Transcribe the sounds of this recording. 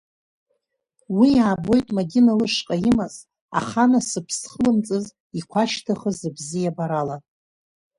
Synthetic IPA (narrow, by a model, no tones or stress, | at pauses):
wiaːbo̞jtʼmaɡʲinalɨʂqʼaimaz | a̰χanasɨpʰsχlɨmt͡sʼɨz | ikʷʰaʃtʰaχəzɨbzijabaɾala